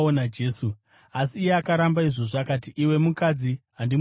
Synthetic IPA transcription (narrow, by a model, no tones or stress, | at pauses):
onad͡ʒeːsu | asiːjeakaɾambaiʐoʐakatiʔiwe̞mukad͡ziɦandi